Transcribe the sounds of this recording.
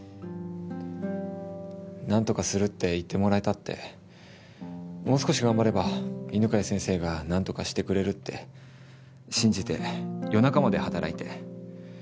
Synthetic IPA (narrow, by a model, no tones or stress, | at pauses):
nãnt̪o̞kasɨɾɯ̟t̪ːe̞it̪ːe̞mo̞ɾaet̪at̪ːe̞̰ | mo̞ːsɨ̥ko̞ɕiɡãmbaɾe̞bainɯ̟kaisẽ̞ɰ̃se̞ːɡanãnt̪o̞kaɕi̥t̪e̞kɯ̟ɾe̞ɾɯ̟t̪ːe̞̰ | ɕĩɲ̟d͡ʑit̪e̞̰jo̞nakamad̪e̞hat̪aɾʔa̰it̪e̞̰